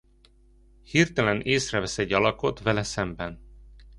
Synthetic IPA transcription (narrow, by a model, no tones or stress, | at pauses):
hirt̪ɛlɛneːsrɛvɛsɛɟːɒlɒko̞t̪ʋɛlɛsɛmbɛn